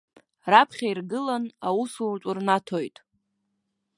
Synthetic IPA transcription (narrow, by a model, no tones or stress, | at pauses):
rapʰχʲairɡɨlanawusurt͡ʃʷʼʊrnatʰojtʼ